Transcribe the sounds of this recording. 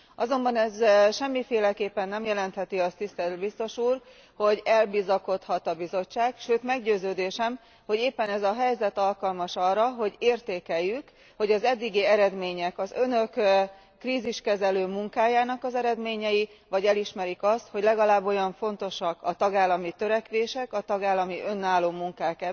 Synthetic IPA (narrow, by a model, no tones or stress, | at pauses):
ɒzo̞mbɒnɛzʃɛmːifeːlɛkeːpːɛnːɛmjɛlɛnt̪hɛt̪iɒst̪ist̪ɛlt̪bist̪o̞ʃuːr | ho̞ɟɛlbizɒko̞t̪hɒt̪ɒbizo̞t͡ʃːaːkʃøːt̪mɛɡɟøːzøːd̪eːʃɛm | ho̞ɟeːpːɛnɛzɒɦɛjzɛt̪ɒlkɒlmɒʃɒrːɒɦo̞ɟeːrt̪eːkɛjːyk | ho̞ɟɒzɛd̪ːiɡiɛɾɛd̪meːɲɛkɒzønø̞kː | riːziʃkɛzɛløːmuŋkaːjaːnɒkɒzɛɾɛd̪meːɲɛji | ʋɒɟɛliʃmɛɾikɒst̪ho̞ɟlɛɡɒlaːbːo̞jɒɱfo̞nt̪o̞ʃɒkɒt̪ɒɡaːlːɒmit̪øɾɛkʋeːʃɛkɒt̪ɒɡaːlːɒmiʔø̞nːaːloːmuŋkaːkɛ